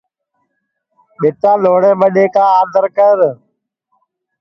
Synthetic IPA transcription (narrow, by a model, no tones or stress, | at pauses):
ɓɪt̪ãːloːɽeːɓəɗeːkãːaːd̪ʱəɾkəɾ